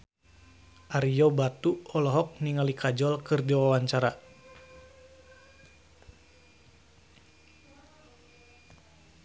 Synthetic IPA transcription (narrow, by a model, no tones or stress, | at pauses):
ʔaɾijɔbat̪uɔlɔɦɔk̚niŋalikʰad͡ʒɔlkɨrdiwawaɲt͡ʃaɾa